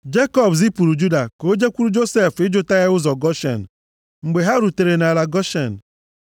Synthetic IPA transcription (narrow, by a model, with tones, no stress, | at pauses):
d͡ʒe˦kɔ˦bz̬i˦pu˨ɾu˨d͡ʒu˦da˨ko˦d͡ʒe˦kʷu˦ɾu˦d͡ʒo˦se˦˨fɪ˦d͡ʒʊ˦ta˦ɣa˦ʊ˦zɔ˨ɡɔ˦ʃḛ˨n̩˨ | ŋ͡m̩˨ɡ͡be˨ɦa˦ɾu˨te˨ɾe˨na˨la˨ɡɔ˦ʃḛ˨n̩˨